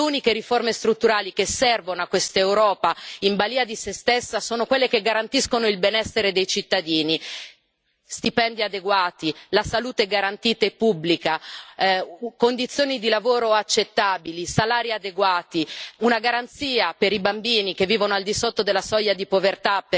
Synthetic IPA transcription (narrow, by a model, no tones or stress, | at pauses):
uːnikeɾiformest̪ɾut̪ːuɾaːlikesːɛrvonoakːwest̪ewɾɔːpaimbaliːad̪isest̪esːasoːnokwelːekeɡaɾant̪iskonoilbenɛsːeɾed̪ejt͡ʃit̪ːad̪iːni | st̪ipɛnd̪iad̪eɡwaːt̪ilasaluːt̪eɛɡaɾant̪iːt̪aepːubːlika | kond̪it̪sjoːnid̪ilavoːɾoat͡ʃːet̪ːaːbilisalaːɾiad̪eɡwaːt̪iunaɡaɾant̪siːapeɾibambiːnikevːiːvonoald̪isot̪ːod̪elːasɔjad̪ipovert̪ap